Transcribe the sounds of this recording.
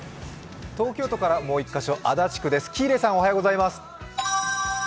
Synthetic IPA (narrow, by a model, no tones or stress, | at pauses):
t̪o̞ːkʲo̞ːt̪o̞kaɾamo̞ːikːaɕo̞ʔad̪at͡ɕi̥kɯ̟d̪e̞sɨ̥kʲiːɾe̞ːsão̞hajoɡo̞zaimasɨ̥